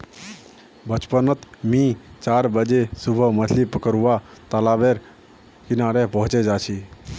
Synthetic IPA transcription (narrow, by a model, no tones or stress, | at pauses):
bət͡ʃpənət̪mĩːt͡ʃaːɾbəd͡ʒesʊbʱəmətʰlipəkəɾuʋat̪əlaːbeɾ | kɪnaːɾepəɦʊt͡ʃed͡ʒaːt͡ʃʰi